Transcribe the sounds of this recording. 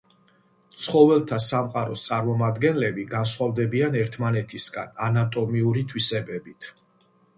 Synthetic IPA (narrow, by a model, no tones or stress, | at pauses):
t̪sʰχɔvɛlˠt̪ʰasamqʼaɾɔst̪sʼaɾmɔmad̪ɡɛnlɛbiɡanswald̪ɛbianɛɾt̪ʰmanɛt̪ʰisɡa̰nanat̪ʼɔmiuɾit̪ʰwisɛbɛbit̪ʰ